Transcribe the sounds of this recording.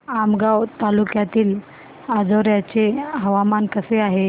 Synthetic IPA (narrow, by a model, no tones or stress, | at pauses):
amɡawt̪alukjat̪iːl | ad͡zəɾjat͡seɦəʋamankəseaɦe